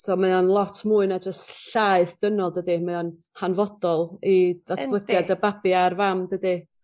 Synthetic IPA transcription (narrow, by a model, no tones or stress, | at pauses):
soːmaðɔnlˠɔtʰmuːɨnad͡ʒəstɬaɨθd̥ənɔlˠdədimaðɔn | hanvɔdɔlˠid̥atʰb̥lˠəɡjadəbabiarvamdədi